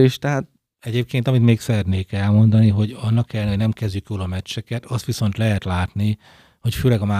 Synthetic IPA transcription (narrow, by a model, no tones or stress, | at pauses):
eːʃt̪ɛɦaːt̪̚ | ɛɟeːp̚keːnt̪ɒmit̪meːksɛɾɛt̪neːkɛlmo̞nd̪ɒniɦo̞ɟɒnːɒkɛlːɛnhoɟnɛmkɛzɟykjoːlɒmɛt͡ʃːɛkɛt̪ɒst̪ʋiso̞n̪t̪lɛɦɛt̪laːt̪ni | ho̞cføːlɛɡɒmaː